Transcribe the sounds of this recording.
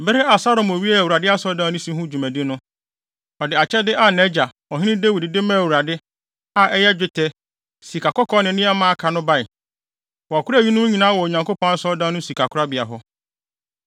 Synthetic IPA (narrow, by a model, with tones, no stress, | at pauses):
bɪ˦ɾɪ˦a˨sa˦ɾɔ˨mɔ˨ɥi˦ɛ˦˨wu˨ɾa˨dɪ˦a˦sɔ˦dã˦nʊ̃˦sĩ˦ɦʊ̃˦d͡ʑᶣu˨mæ̃˨dɪ˦nʊ̃˦ | ɔ˨dɪ˨a˨t͡ɕʰɛ˦dɪ˦ʔa˨nɛ˦d͡ʑa˨ | ɔ˨ɦɪ̃˦nɪ̃˦de˦wi˨dɪ˨dɪ˦mã˦˨wu˨ɾa˨dɪ˦ | a˨ʔɛ˦jɛ˦d͡ʑᶣɪ˦tʰɛ˦ | si˨kʰa˨kʰɔ˦kʰɔ˦nɪ̃˨nɪ̃˦a˦mãː˦kʰa˨nʊ̃˦ba˦ɪ˨ | wɔ˨a˨kʰʊ˦ɾæ˦˨ɥi˦nʊ̃˦ɲĩ˨nãː˦wɔ˨o˨ɲã˨ŋko˦pʰɔ̃˦na˦sɔ˦dã˦nʊ̃˦si˨kʰa˨kʰʊ˦ɾa˦bɪ˨a˨ɦɔ˦